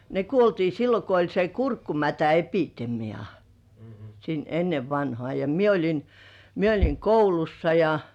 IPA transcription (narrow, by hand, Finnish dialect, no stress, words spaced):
ne kuoltiː silːo ko olʲ se kurkːumætæepitemiɑ sin enːeʋ ʋɑnhŏɑˑ jɑ mie olʲin mie olʲiŋ koulusːɑ jɑ